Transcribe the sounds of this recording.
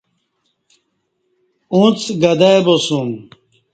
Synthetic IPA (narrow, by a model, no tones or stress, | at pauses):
ũt͡sɡɐd̪ajbosum